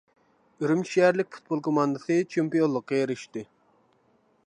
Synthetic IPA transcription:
iɾɪmʃiæɾlɪk̚ʲfu̥t̪̚bolˠkʰomɑnd̪ɨsɨt͡ʃʰempijonlˠːəqːejeɾiʃt̪ɨ

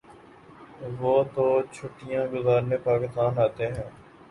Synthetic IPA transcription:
ʋoːt̪oːt͡ʃʰʊʈːɪjãːɡʊzaːɾnepaːkɪst̪aːnaːt̪eɦɛ̃ː

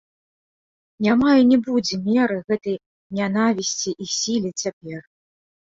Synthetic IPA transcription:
nʲamajinʲɛbud͡zʲɛmʲɛɾɨɣɛt̪ɐj | nʲanavʲisʲt͡sʲiʔisʲilʲit͡sʲapʲɛr

